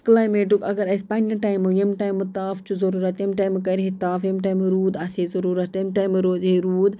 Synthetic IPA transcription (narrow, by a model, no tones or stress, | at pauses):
klaːjmeːʈukɐɡɐɾɐspɐnɐʈaːjimjɐmʈaːjmut̪aːft͡ʃuzɐɾuːɾɐt̪jɐmʈaːjmkɐɾɦet̪aːfɐmʈaːimɾuːd̪ɐsezɐɾuːɾɐt̪ɐmʈaːjmɾoːzɦeɾuːd̪